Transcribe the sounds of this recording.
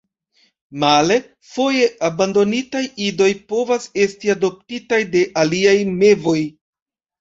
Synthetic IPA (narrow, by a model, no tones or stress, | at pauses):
male̞ | fo̞je̞abando̞nitajido̞jpo̞vase̞stiado̞p̚titajde̞ʔaliajme̞vo̞j